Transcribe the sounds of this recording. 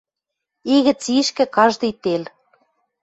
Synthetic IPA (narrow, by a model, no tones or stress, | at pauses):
iɣɘ̆t͡siʃkɘ̆kɑʒd̪ɤ̆jt̪el